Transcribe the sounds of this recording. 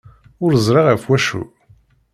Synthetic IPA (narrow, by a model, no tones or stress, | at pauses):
ʊɾzˤɾˤɑʁæfwæʃṵ